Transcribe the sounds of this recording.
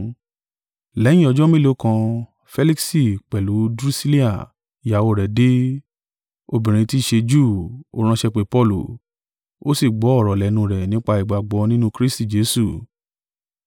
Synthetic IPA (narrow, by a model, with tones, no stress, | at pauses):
lɛ˨˦j̃ĩ˦ɔ˧d͡ʒɔ˦mĩ˦lo˨˦kã˧ | fɛ˦li˦ksi˦˨k͡pɛ˨lu˨˦dɾu˦si˦li˦a˨ | ja˨wo˧˨ɾɛ˨de˦ | o˧bĩ˨ɾ̃ĩ˧ti˦˨ʃe˧d͡ʒuː˦˨o̰˧˦ɾ̃ã˧ʃɛ˧k͡pe˧pɔ˧lṵ˨ | o˦si˦˨ɡ͡bɔ˨˦ɔ˦˨ɾɔ˨lɛ˨˦nũ˧ɾɛ˨nĩ˦k͡pa˧i˨ɡ͡ba˨ɡ͡bɔ˧˦nĩ˦nũ˦kɾi˦sti˦˨d͡ʒe˦su˦˨